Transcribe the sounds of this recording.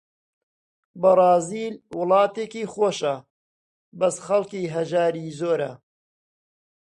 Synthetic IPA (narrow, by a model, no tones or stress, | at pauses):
bɐrˤɑːziːlwʊlˠɑːt̪eːkiːxoːʃɐ | bɐsχɐlˠkiːɦɐʒaːɾiːzoːɾɐ̰